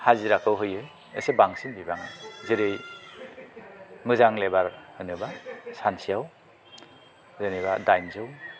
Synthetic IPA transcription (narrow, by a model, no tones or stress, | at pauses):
haziɾakʰɯwɦɯjɯj | ḛsebaŋsinbibaŋɯzɯɾɯj | mɯzaŋlebaɾhɯnɯbasansʰijaw | zɯniβadajnzɯw